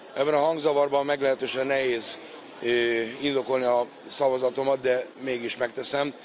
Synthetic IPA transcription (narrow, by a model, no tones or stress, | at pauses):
ʔɛbːɛnɒɦɒŋɡzɒvɒrbɒmːɛɡlɛɦɛt̪øːʃɛnːɛɦeːz | øind̪o̞ko̞lniɒ | sɒvɒzɒt̪o̞mɒt̪̚d̪ɛmeːɡiʃmɛk̚t̪ɛsɛm